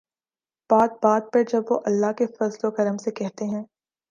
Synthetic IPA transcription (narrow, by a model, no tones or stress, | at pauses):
b̥aːd̪̚baːd̪̚pɐɾd͡ʒɐbʋoʔɐlːaɦkefɐzlokɐɾəmsekɛɦt̪eɦɛ̃ː